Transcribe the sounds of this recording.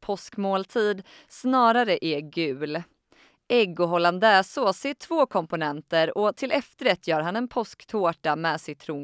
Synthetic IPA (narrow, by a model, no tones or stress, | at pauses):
pʰɔskmoːlt̪ʰiːd̪ | snɑːɾaɾəʔɛɡʉ̟ːl | ʔɛɡʊɦɔland̪ɛːsɔseːʈ̪ʰv̥oːkʰɔmpʊnɛnt̪əɾɔt̪ʰɪlɛft̪əɾɛt̪ʰːjœːɾɦanɛnpʰɔskt̪ʰoːʈamɛːsɪt̪ʰɾuː